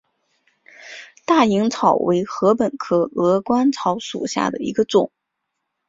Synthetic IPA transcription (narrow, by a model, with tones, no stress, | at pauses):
t̪a˥˩i˧˥ŋt͡sʰɑ˨˩ʊwe˧˥ɪxɤ˧˥pə˨˩nkʰɤ˨˧˩ɤ˧˥kwa˥nt͡sʰɑ˧˥ʊʂṵ˨˩ɕja̰˥˩d̪ə̰˩ḭ˧˥ɡə˧ʈ͡ʂʊ˨˩˦ŋ